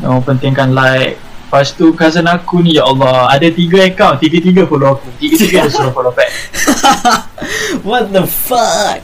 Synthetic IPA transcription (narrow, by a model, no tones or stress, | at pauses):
nõpənt̪ɪŋkanlaɪk̚past̪ukas̬ənakunĩjaʔɔlːɔhadat̪iɡaəkawnt̪iɡat̪iɡafoloakut̪iɡat̪iɡaddasuɾɔfolopɛk̚ | wɔt̚d̪əfʌk̚